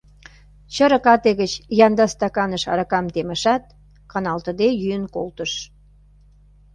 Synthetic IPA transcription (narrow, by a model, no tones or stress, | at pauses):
t͡ɕəɾə̆kɑt̪eɣət͡ɕjɑnd̪ɑst̪ɑkɑnəʃɑ̰ɾɑkɑmt̪emə̆ʃɑt̪̚ | kɑnɑlt̪əd̪ejyənkolt̪əʃ